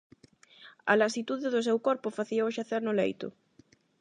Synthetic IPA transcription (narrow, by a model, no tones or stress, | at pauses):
a̰lasit̪uðeðʊs̬ewkɔɾpʊfaθiowʃaθeɾnʊlḛjt̪ʊ̰